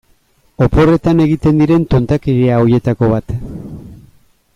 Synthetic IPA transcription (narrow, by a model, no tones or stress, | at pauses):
o̞po̞re̞t̪ane̞ɣit̪e̞nd̪iɾe̞nt̪ont̪akiɾiaoje̞t̪ako̞βat̪